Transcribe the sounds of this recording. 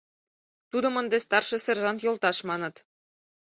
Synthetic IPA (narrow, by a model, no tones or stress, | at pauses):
t̪ud̪ɤ̆mɤ̆nd̪est̪ɑrʃɤ̆sĕrʒɑnt̪jolt̪ɑʃmɑnɤ̆t̪